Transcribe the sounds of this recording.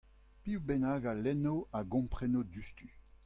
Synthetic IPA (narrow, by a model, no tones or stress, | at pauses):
piwbɛnaːɡalɛnoaɡɔ̃mpχɛnodyst̪y